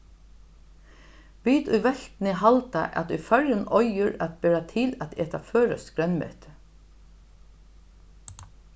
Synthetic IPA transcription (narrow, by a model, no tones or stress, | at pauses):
ʋiːt̪ʊjʋɛɬt̪nɪɦalt̪a̰ʔæ̰t̪ʊjfœɹjʊnɔjʊɹæt̪̚bɛːɾat̪ʰɪlæt̪ɛːt̪aføːɾaskɾɛnmɪ̰t̪